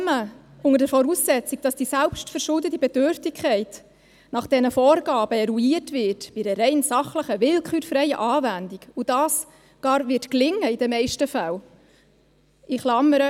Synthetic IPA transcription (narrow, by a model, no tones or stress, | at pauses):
mə | ʊŋəɾdəfɔɾuːsːɛt͡sik̚d̥ɑsd̥isælpʃtfəɾʃʊldətibɛdøɾftikχɛɪt | nɑχd̥ɛnəfɔːrɡɑːb̥əɛɾuiətvɪtbidəɾɛɪnsɑχləχəʋɪlkχyːɾfɾɛɪjə̰ʔɑːvændikud̥ɑːs | ɡ̥ɑːɾvɪtklɪŋːəid̥ɛmɛɪʃtəfæl | ʔɪχlɑmːəɾə